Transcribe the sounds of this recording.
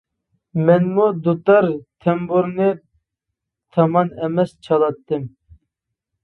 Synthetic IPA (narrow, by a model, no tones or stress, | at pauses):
mɛnmud̪ut̪ɑɾt̪ʰɛmbuɾnɪ | t̪ʰɑmɑnɛmɛst͡ʃʰɑlˠɑt̪ːɪm